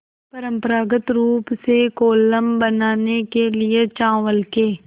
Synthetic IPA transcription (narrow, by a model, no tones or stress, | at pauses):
pɐɾə̃mpəɾaːɡət̪ɾuːpsekoːləmbənaːnekeliet͡ʃãːʋəlkeː